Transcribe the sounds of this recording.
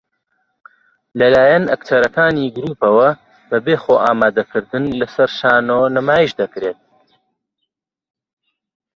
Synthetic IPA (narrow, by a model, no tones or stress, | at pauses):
lɐlaːjɐnɐ̰kt̪ʰɐɾɐkaːniːɡɨɾuːpɐwɐ | bɐbeːxoːʔaːmaːd̪ɐkɨɾd̪ɨnlɐsɐɾʃaːnoːnɐmaːjiʃd̪ɐkɾeːt̪̚